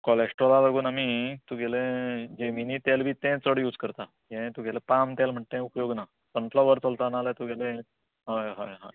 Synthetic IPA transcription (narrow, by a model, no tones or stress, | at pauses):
kɔlesʈɾolaləɡuːnamit̪ũɡʱelẽd͡ʑeminit̪albʱiːt̪ɛ̃t͡səɽjuːd͡zkəɾt̪a | jẽt̪ũɡelepamt̪jalm̤əʈ̚t̪ẽupəjoɡna | sənfʰlɔʋəɾt͡səlt̪analet̪uɡele | ɦaɦaɦa̰